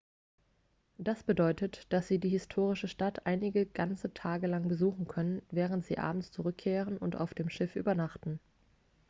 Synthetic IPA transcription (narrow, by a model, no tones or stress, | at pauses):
d̥asb̥ədɔʏtətd̥asz̥iːdiːhɪstʰoːʁ̞ɪʃəʃtatʰʔaɪnɪɡəɡ̥ant͡sətʰaːɡəlaŋbəzuːχn̩kʰœnənvɛːʁ̞əntz̥ḭːʔa̰ːbm̩tt͡suʁ̞ʏkʰːeːʁ̞ənʊnta̰ʊfd̥eːmʃɪfʔy̰ːbɐnaχtn̩